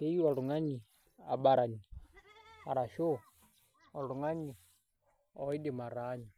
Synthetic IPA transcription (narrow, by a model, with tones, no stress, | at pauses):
te˦ji˦ɔ˨lu˨ŋa˦ɲi˨ | a˨ɓa˦ɾa˨ɲi˨ | a˨ɾa˨ʃo˦˨ | ɔ˨lu˨ŋa˦ɲi˨ | ɔ˨i˦dɪ˨ma˨ɾa˨˦ɲi˨